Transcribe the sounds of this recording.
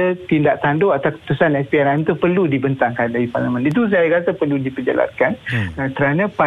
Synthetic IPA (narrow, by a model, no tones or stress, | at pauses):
ət̪indaʔt̪andoat̪apəsanɛspiɛɾant̪upərludibənt̪aŋkandaɾipa̰ɾləmə̃nit̪̬us̬ajakat̪apərludipəd͡ʒa̰la̰nkanəkəɾanãpa